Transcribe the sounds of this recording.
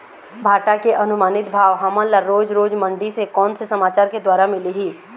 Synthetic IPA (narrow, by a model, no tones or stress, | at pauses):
bʱaːʈakeʔɐnʊmaːnɪt̪bʱaːʋɦɐmãlaɾɾoːd͡ʒɾoːd͡ʒmə̃ɳɖisekɔːnsesɐmaːt͡ʃaːɾked̪waːɾamɪliɦiː